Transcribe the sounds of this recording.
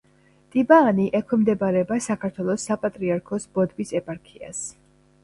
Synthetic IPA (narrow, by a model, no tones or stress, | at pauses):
t̪ʼibaːniʔɛkʰɛmd̪ɛbaɾɛbasakʰaɾt̪ʰwɛlˠɔsːapʼat̪ʼɾiaɾkʰɔsb̥ɔd̪bisɛpʼaɾkʰia̰s